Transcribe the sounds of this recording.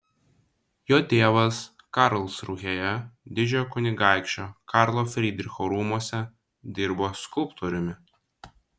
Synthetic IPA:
joːt̪ʲeːʋɐs | kɑɾlˠsɾuɣʲejɛd̪ʲɪd͡ʒʲokʊnʲɪɡɑˑɪkʃʲt͡ʃʲoːkɑɾlˠoːfʲɾʲɪd̪ʲɾʲɪxoɾuːmuɔsʲɛ | d̪ʲɪɾboːskʊlˠpt̪oːɾʲʊmʲɪ

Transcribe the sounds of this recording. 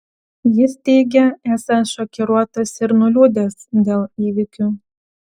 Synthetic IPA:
jɪst̪ʲɛɪɡʲɛæːsɐnt̪ʃɔkʲɛɾuɔt̪ɐsɪɾnʊlʲuːd̪ʲesd̪ʲeːlˠiːʋʲɪkʲu

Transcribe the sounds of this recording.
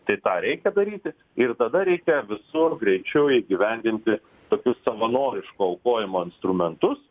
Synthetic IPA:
t̪ɐɪt̪ɑːɾʲɛɪkʲɛd̪ɐɾʲiːt̪ʲɪ | ɪrt̪ɐd̪ɐɾʲɛɪkʲɛʋʲɪsʊrɡɾʲɛɪt͡ʃʲɛʊɪɡʲɪʋʲɛnʲd̪ʲɪnʲt̪ʲɪ | t̪oːkʲʊssɐʋɐnoːɾʲɪʃkuɐʊkoːjɪmoːɪnst̪ɾʊmʲɛnt̪ʊs

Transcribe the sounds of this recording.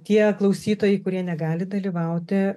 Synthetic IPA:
t̪ʲiɛklˠɐʊsʲiːt̪oːjɛɪkʊɾʲiɛnʲɛɡɑːlʲɪd̪ɐlʲiːʋɐʊt̪ʲɪ

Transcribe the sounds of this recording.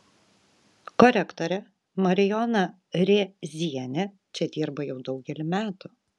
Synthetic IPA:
kɔɾʲɛkt̪ɔɾʲɛ | mɐɾʲɪjɔnɐ | ɾʲeːzʲiɛnʲɛ | t͡ʃʲɛd̪ʲiːɾbɐjɛʊd̪ɒʊɡʲɛlʲɪmʲæːt̪ʊ

